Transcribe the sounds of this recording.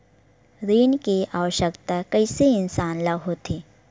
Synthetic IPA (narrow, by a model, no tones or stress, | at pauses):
ɾiːnkeaːʋəʃəkt̪akəɪseɪnsaːnlɐɦot̪ʰeː